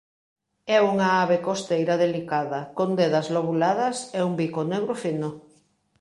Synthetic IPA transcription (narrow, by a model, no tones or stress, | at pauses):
ɛuŋaaβekost̪ejɾɐðelikaðɐkond̪eðɐzloβulaðɐsɛumbikoneɣɾofino